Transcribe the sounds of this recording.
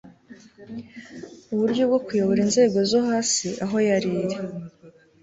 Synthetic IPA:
uβuɾɟo̞b̚ɡo̞kujo̞βo̞ɾinze̞ːɡo̞zoɦaːsiʔaɦo̞jaɾiːɾe

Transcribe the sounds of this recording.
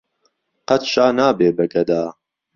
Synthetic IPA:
qɐt̪ʃaːnaːbeːbɐɡɐd̪aː

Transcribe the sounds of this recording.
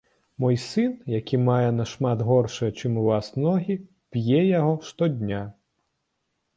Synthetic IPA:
mɔjsɨnjakʲʰimajɛnɐʂmad̪ɣɔrʂɐjɐt͡ʂɨmuvasnɔɣʲi | pʲjɛjaɣɔʂt̪ɔd̪ʲnʲa

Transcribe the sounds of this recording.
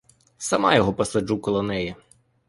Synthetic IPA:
sɐmɑjɔɦɔpɐsɐd͡ʒukɔlˠɔnɛjɛ

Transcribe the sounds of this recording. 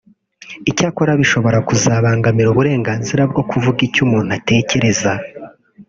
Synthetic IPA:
icaːkoɾaβiʃo̞βo̞ɾakuzaːβaːŋɡamiɾuːβuɾe̞ːŋɡaːnziɾab̚ɡo̞kuvuɡicuːmuːn̥ate̞ːce̞ɾe̞za

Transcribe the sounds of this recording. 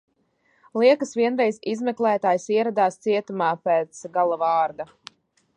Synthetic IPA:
lˠiɛkɐsviɛnɾɛjzizmɛklˠæːt̪aːjsiɛɾad̪aːst̪siɛt̪umaːpɛːt̪sɡalˠavɑːɾd̪a

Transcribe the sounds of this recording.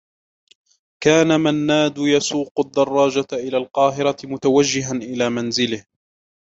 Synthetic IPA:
kaːnamanːaːd̪ʊjasuːqʊd̪ːɑrˤːɑːd͡ʒaʔɪlaːlqɑːɦɪɾɑmʊt̪awad͡ʒːɪɦanʔɪlaːmanzɪlɪh

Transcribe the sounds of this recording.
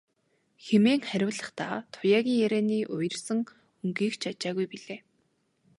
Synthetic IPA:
xemeːŋχæɾʲʊːɮə̆χt̪aːt̪ʰʊjaːɣʲiːŋjæɾeːniːʔʊjə̆rsə̆ŋ | ɵŋɡiːkt͡ɕʰat͡ɕaːɣujpiɮeː

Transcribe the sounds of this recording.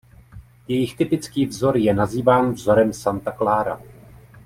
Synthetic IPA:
jɛjɪxt̪ɪpɪt͡skiːvzo̞ɾjɛnaziːvaːnvzo̞ɾɛmsant̪aklaːɾa̰

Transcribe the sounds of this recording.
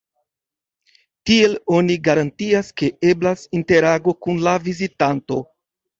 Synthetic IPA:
tie̞lo̞niɡaɾantiaske̞e̞blasinte̞ɾaɡo̞kunlavizitanto̞

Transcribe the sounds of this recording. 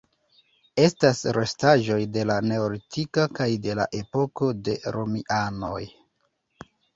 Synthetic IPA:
e̞stasɾe̞staʒo̞jde̞lane̞olitikakajde̞la̰ʔe̞po̞ko̞de̞ɾomiʔano̞̰j

